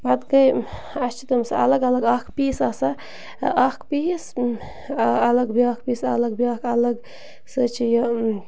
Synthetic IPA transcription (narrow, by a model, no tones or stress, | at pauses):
bɐd̪kɐj | ɐt͡ʃʰit̪ɐmsɐ̰ɐ̰lɐɡɐlɐɡɐkʰpiːsɐsɐ | ʔɐkpis | ɐlɐɡbiakʰpiːsɐ̰lɐɡbaːkʰɐlɐɡ | sɨt͡ʃʰijɐ